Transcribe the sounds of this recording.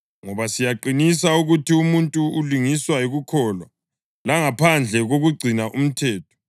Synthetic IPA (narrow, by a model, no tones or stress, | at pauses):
ŋɔβasijaǃinisauɣutʰiumuntʼuuliŋiswaiɣukʰɔːlwa | laŋapʰand͡ɮʱɛɣoɣuɡ͡ǀʱinaʔum̩tʰɛːtʰɔ̥